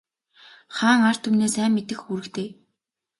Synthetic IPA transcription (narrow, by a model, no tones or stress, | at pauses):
χaːŋar̥t̪ʰumneːsæːmːet̪ɘ̆xuɾɘ̆kt̪ʰeː